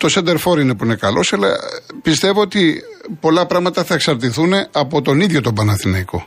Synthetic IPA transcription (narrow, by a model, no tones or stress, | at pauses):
t̪o̞send̪e̞ɾfo̞ɾine̞puine̞kɐlo̞sɐlɐ̰pist̪e̞voot̪ipo̞lɐpɾɐɣmɐt̪ɐθɐeksɐɾt̪̬iθune̞ɐpo̞t̪o̞niðʝo̞t̪o̞bɐnɐθinɐiko